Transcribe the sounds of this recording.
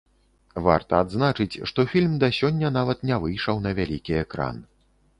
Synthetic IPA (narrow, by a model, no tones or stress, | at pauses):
va̰rt̪ɐad̪znat͡ʂɨt͡sʲʂt̪ɔfʲilʲmd̪ɐsʲɔnʲːɐnavɐt̪nʲɛvɨjʂɐwnɐvʲalʲikʲiɛkɾa̰nɨ